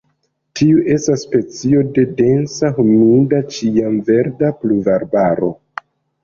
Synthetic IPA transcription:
tʰiuʔe̞stasːpe̞t͡sio̞de̞de̞nsahumidat͡ʃiamve̞ɾdapluvaɾbaɾo̞̰

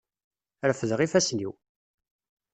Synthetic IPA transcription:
ɾfəðʁifæsnḭw

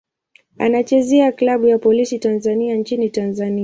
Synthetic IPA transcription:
a̰nat͡ʃɛzɛaklaɓujapɔlisitanzaniant͡ʃinitanzani

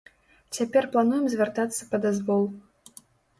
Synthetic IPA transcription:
t͡sʲapʲɛrplˠanujɛmzʲvʲart̪at̪sːɐ̥pɐd̪azvɔlˠ

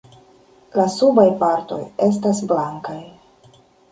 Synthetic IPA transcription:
lasubajpaɾto̞̰je̞s̬tasblaŋkaj

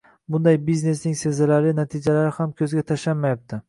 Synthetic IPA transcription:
bʊnd̪ajbizne̞snɪŋsezalaɾɪnat̪ʰid͡ʒalaɾɪhamkʲʰɵzɡʲat̪ʰaʃanmajap̚t̪ʰɪ

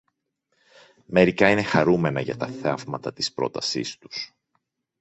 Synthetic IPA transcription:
me̞ɾikɐine̞xɐɾume̞nɐʝɐt̪ɐθevmɐt̪ɐt̪i̥spɾo̞̰t̪ɐsḭst̪u̥s

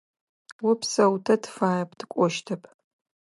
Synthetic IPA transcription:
wʊpʰsɐwtʰɐtʰfaːjɐpʰʼdʰɨkʷʼɔʃtʰɐpʰʼ

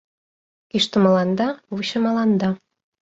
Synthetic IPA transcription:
kiʃt̪ə̆mɑlɑnd̪ɑβuɕɤ̆mɑlˠɑnd̪ɑ

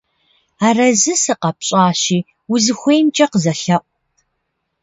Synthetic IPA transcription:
aːrɐzɨsɨqɐpɕʼɑːɕiː | uzɨxʷejmt͡ʃʼɐqəzɐɬɐʔʷ

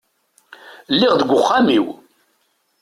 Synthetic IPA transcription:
lːɪʁðəɡʷʊχːamiw

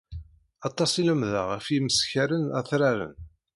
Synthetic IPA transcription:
ɑt̪ˤːɑsˤiləmðə̰ʁəfiməsçæɾənæ̰θɾaɾə̰n

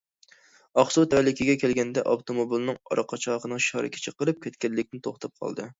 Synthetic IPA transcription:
ɑχsut̪ʰɛɛlɪkʲiɡʲɛkʲelɡʲɛnd̪ɛʔɑbt̪ʰomobilˠnɨŋɑ̰ɾɑqʰɑt͡ʃʰɑʁənɨŋʃɑɾɨ̰kʲʰɪ̥t͡ʃʰɛqəɾɨp̚kʲʰet̪kʲɛlːɪkʲnɪt̪ʰoχt̪ʰɑp̚qʰɑ̰lˠd̪ɨ

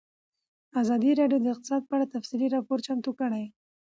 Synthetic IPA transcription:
azɑd̪iɾɑɖjod̪əɪqt̪ɪ̥sɑd̪̚pəaɽat̪afsiliɾɑpoɾt͡ʃamt̪ukəɽaj

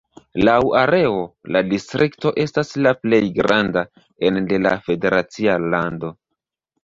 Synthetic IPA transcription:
lawaɾe̞o̞ladistɾʔikto̞ʔe̞staslaple̞jɡɾanda | ende̞la̰fe̞de̞ɾat͡sialando̞

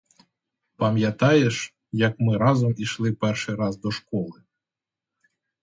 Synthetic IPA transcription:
pɐmʲjat̪ajɛʃ | jakmɨɾazɔmiʃlˠɪpɛrʃɨɾazd̪ɔʃkɔlˠɨ

